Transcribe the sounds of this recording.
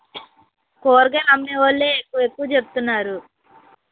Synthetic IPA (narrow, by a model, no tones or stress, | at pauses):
koːɾɡelɐmneʋɐlːeːkːuʋekːuʋɐt͡ʃepu̥t̪unːaːɾu